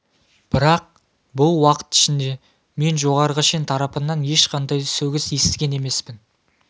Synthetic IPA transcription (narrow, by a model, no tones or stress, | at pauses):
b̥ɪɾɑq̚ | bʊlˠwɑqə̥t̪ɪ̥ʃɪnd̪e̞ | me̞nʒo̞ʁɑɾəʁəʃent̪ʰɑɾɑpənɑnje̞ʃqʰɑnd̪ɑjsɵwɡʲɪsje̞st̪ɪɡʲe̞ne̞me̞spɪn